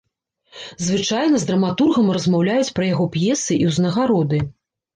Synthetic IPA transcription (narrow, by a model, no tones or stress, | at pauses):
zvɨt͡ʂajnɐzd̪ɾɐmat̪urɣɐmrɐzmawlʲajut͡sʲpɾɐjaɣɔpjɛsɨʔiwznɐɣaɾɔd̪ɨ